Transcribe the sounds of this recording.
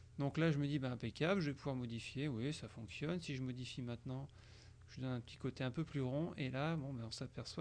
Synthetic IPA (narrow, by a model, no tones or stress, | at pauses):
d̪ɔ̃klaʒəməd̪ibaɛ̃pekʲablʒəvɛpuvwaʁmɔd̪ifjewisafɔ̃ksjɔnsiʒəmɔd̪ifimɛ̃t̪nɑ̃ | ʒ̥əd̪ɔnɛ̃pət̪ʰi̥kot̪eɛ̃pøplyʁɔ̃ʔelabɔ̃baɔ̃sapɛʁswa